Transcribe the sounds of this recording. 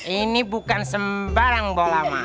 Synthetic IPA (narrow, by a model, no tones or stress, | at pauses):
inibukansəmbaɾaŋbolama̰